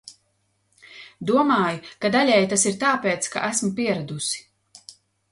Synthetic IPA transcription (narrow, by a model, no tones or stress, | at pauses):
d̪uɔmaːjukad̪alʲɛjt̪asiɾt̪aːpeːt̪ska̰ʔæsmupiɛɾad̪usi̥